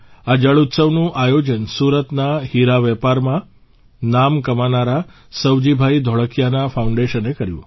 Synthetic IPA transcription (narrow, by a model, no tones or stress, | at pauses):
ad͡ʒəɭut̪səʋnũʔajod͡ʒənsuɾət̪nahiɾaʋɛpaɾmã | namkəmanaɾa | səwd͡ʒibʱaid̪ʱɔɭəkjanafʰauɳɖeʃənekəɾjṵ̃